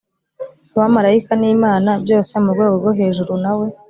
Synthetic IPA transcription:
wamaɾaikaniːmaːnabjo̞ːsemuɾɡwe̞ːɡo̞ɡo̞ɦe̞ːʒuɾunawe̞

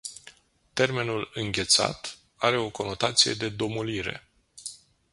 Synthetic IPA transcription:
t̪e̞rme̞nulɨŋɡʲe̞t̪sa̰t̪ | aɾe̞o̞ko̞no̞t̪at̪sije̞̰d̪e̞d̪o̞muliɾe̞̰

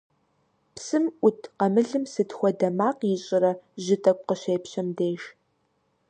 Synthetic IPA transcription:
psɨmʔʷʊtʰqɐmɨɮɨmsɨtxʷɔdɐmaːqjɪɕʼɪɾɐʒɪtʼɐkʷʼqəɕeːpɕɐmdeːʃ

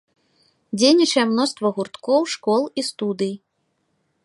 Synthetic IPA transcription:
d͡zʲejnʲit͡ʂɐjɛmnɔst̪vɐɣurt̪kɔwʂkɔlˠist̪ud̪ɨji

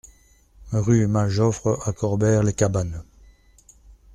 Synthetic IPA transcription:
ʁymaʒɔfʁəakʰɔʁbɛʁlekaban

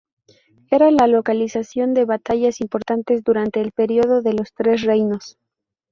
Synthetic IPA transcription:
e̞ɾalalo̞kalisasjo̞nd̪e̞βat̪aʝasimpo̞ɾt̪ant̪e̞zðuɾant̪e̞ːlpe̞ɾio̞ðo̞ðe̞lo̞st̪ɾe̞s̬re̞jno̞s

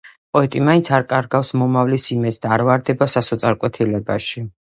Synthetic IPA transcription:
pʼɔɛt̪ʼimaint̪sʰaɾkʼaɾɡafsmɔmavlisimɛd̪sʰd̪aːɾvaɾd̪ɛbasasɔt̪sʼaɾkʼwɛt̪ʰilɛbaʃi

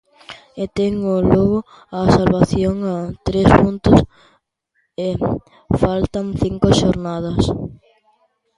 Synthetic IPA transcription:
et̪eŋʊloɣʊ | asalβaθjoŋat̪ɾespunt̪ʊs | e | falt̪ɐŋθiŋkʊʃoɾnað̞ɐs

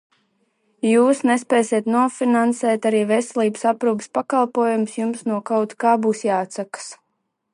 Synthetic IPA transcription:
juːsnɛspɛːsiɛt̪nuɔfinansɛːt̪aɾiːvesɛlʲˠiːbəsapɾuːpə̥spakalˠpuɔjumsjumsnuɔkawt̪kaːbuːsjaːt̪sakə̥s

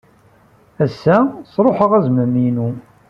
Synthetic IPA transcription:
æsːæsˤɾˤoħəʁæzməminu

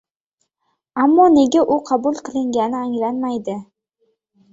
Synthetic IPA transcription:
amːɒne̞ɡʲaʔʊqʰɑbʊlˠqʰɨlˠɪŋɡʲanɪaŋlanmajd̪ɪ

